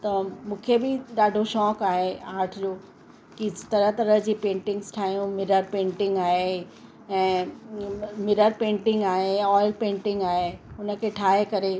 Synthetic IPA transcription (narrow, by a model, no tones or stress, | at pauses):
t̪ɐmũːkʰebɪɗaːɖʱoʃɔːkaːɦeaːɾʈʰd͡ʑoː | kit̪ɐɾət̪ɐɾəɦd͡ʑiːpẽːɳʈɪ̃ŋɡsʈʰaːɦijũmɪɾəɾpẽːɳʈɪ̃ŋɡaːɦe | ɛ̃ː | mɪɾəɾpẽːɳʈɪ̃ŋɡaːɦeɔːɪlpẽːɳʈɪ̃ŋɡaːɦeʊnə̆kʰeʈʰaːɦekɐɾe